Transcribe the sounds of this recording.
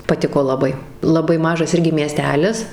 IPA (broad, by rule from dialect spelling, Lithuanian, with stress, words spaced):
pɐˈtʲɪkoː lˠɐˈbɐɪ lˠɐˈbɐɪ ˈmɑːʒɐs ˈɪrʲɡʲɪ mʲiɛˈsʲtʲæːlʲɪs